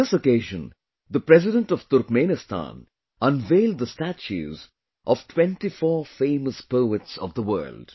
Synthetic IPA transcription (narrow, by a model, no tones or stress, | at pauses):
ɪsokeɪʒə̃n | d̪əpɾɛzɪɾə̃nʈɔv̥t̪ʊɾkmẽnɪstʰã̰n | ʌ̃nʋeɪlˠd̚d̪əstæt͡ʃʉ̰ːz | ʔɔv̥ʈʰwɛ̃nʈifɔːfẽɪməspoʊətsɔ̰vd̪əwɜ̰ːlɖ̥